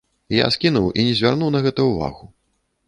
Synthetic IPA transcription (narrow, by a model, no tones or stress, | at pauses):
ja̰skʲinuwʔinʲɛzʲvʲarnuwnɐɣɛt̪ɐwva̰ɣu